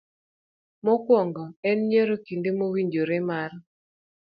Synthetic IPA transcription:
mɔkwɔŋɡɔɛnɲeɾokindemowiɲd͡ʒoɾemar

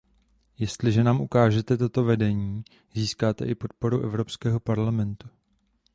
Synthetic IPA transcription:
jɛst̪lɪʒɛnaːmʔukaːʒɛt̪ɛt̪o̞t̪o̞vɛdɛɲiː | ziːskaːt̪ɛ̰ʔɪpo̞t̪̚po̞ɾuʔɛvɾo̞pskɛːɦo̞paɾlamɛnt̪u̥

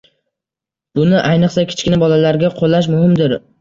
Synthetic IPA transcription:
b̥ʊnɪʔajnɨqsakʲʰɪ̥t͡ʃkʲɪnabɒlalaɾɡʲaqʰolːaʃ̬mʊhɪmd̪ɪɾ

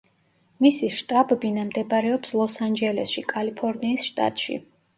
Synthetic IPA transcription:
misiʃt̪ʼabɛbinamd̪ɛbɾɛɔpslˠɔsand͡ʒɛlɛsʃikʼalipʰɔɾniːsʃt̪ʼa̰t̪ʼʃḭ

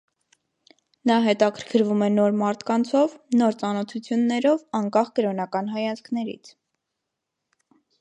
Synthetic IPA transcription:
nɑɦɛt̪ɑkʰəɾkʰəɾvumɛnɔɾmɑɾt̪ʰkɑnt͡sʰɔvnɔɾt͡sɑnɔt̪ʰut͡sʰjunːɛɾɔvɑŋkɑχkəɾɔnɑkɑnɦɑjɑnd͡zkʰnɛɾḭt͡sʰ

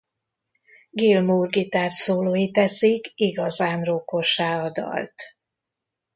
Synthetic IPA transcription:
ɡilmuːrɡit̪aːrsoːloːjit̪ɛsikiɡɒzaːnroko̞ʃaːɒd̪ɒ̰lt̪

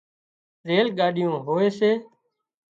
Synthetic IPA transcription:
ɾeːlɠaːɗɪjõːɦoːeːseː

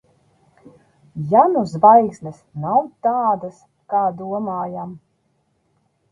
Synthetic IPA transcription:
januzbajksnʲɛsnawt̪aːd̪as | kaːd̪uɔmaːjam

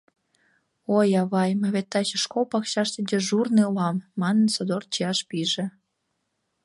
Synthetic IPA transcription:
ojɑβɑjməβet̪ːɑt͡ɕəʃkolpɑkɕɑʃt̪id̪eʒurnilɑmːɑnənsod̪or̚t͡ɕijɑʃpiʒĕ

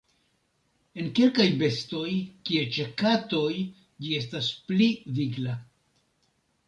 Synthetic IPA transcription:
e̞nke̞lkajbe̞sto̞jkiet͡ʃe̞kato̞j | d͡ʒie̞s̬taspliviɡla

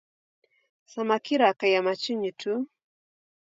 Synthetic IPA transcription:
samakiɾakajamat͡ʃuɲutʰu

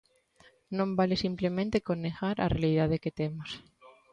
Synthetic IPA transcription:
nõmbalesimplemẽnt̪ekoneɣaɾa̰realiðað̞eket̪emos

